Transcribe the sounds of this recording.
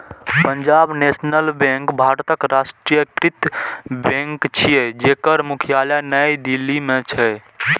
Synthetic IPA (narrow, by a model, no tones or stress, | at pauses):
pəɲd͡ʒabnesnəlbẽŋkbʱaɾt̪əkɾasʈɾijəkɾit̪bẽŋkt͡ʃʰijed͡ʒekəɾmukʰjalanəjd̪ilːimet͡ʃʰɛ